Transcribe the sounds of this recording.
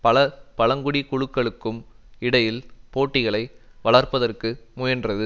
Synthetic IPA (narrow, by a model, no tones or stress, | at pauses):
pɐɭɐpɐlɐŋɡʊɽikʊɻɯkːɐɭɯkːɯm | ɪɽɐjɪlpoːʈːɪɣɐɭɐɪʋɐɭɐrpɐðɐrkɯmʊjɐndrɐðɯ